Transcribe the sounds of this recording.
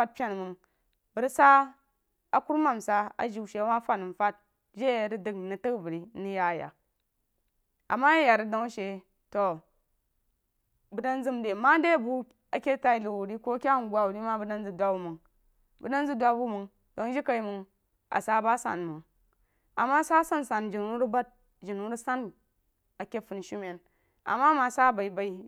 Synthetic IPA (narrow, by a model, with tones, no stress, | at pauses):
a˦t̚pʲa˦˨n˨mɨ˨ŋ | bɨ˨ɾi˦sa˦ | a˨ku˦ɾma˨msa˦a̰˨ʒi˨u˨ʃe˨˦wa˦fa˦˨n˨m˨fa˦t̚ | ʒe˦˨ɾi˦dɨ˨knɨ˨tɨ˦kvɨ˨ɾi˦ni˦ja˦˨ja̰˨ | a̰˨mːa˦je˦ja˨ɾi˨do˦ŋ˦ʃe˨ | to˨ | bɨ˨da˦nzɨ˦mde˨ma˦de˦˨bu˦ | a˨kʲe˦ta˦i˦lu˨wu˨ɾi˦ko˦kʲa˦ŋ˨ɡʷa˨wu˨ɾi˦ma˦bu˦da˦n˦zɨ˨dʷa˦bu˦mu˨ŋ | bu˨da˦nzɨ˦dʷa˦bu˦mu˨ŋ | do˨˦ŋ˦d͡ʒi˦ka˨i˦mɨ˨ŋ | a̰˨sa˦ba˦sa̰˨nmɨ˨ŋ | a˨mːa˦sa˦sa˦n˨sa˨nd͡ʒi˨nu˨˦ɾu˦ba˦t̚ | d͡ʒi˨nu˨˦ɾu˦sa˦n | a˨kʲe˦fu˨n˨ʃu˦me˨n | a̰˨mːa˦ma˨sa˦ba˨i˨˦ba˨i˦